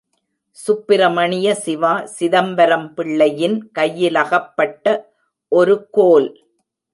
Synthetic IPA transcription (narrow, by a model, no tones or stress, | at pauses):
sʊpːɪɾɐmɐɳɪjɐsɪʋaːsɪðɐmʋɐɾɐmpɪɭːɐjɪnkɐjːɪlɐɣɐpːɐʈːɐ | ʔɔɾɯkoːl